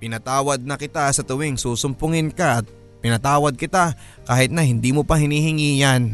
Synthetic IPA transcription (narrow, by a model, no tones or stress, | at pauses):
pɪnɐt̪aːwɐd̪̚nɐkɪt̪asɐt̪ʊwɪŋsuːsʊmpʊŋɪnkaʔɐt̪̚ | pɪnɐt̪aːwɐd̪̚kɪt̪a | kaːhɪt̪̚nɐhɪnd̪imopɐhɪniːhɪŋiːjan